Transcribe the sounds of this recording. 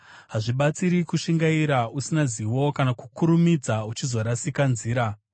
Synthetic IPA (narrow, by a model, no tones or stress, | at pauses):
ɦaʐiɓat͡siɾikuʂiŋɡaiɾausinaziwo̞kanakukuɾumid͡zaut͡ʃizoɾasikanziːɾa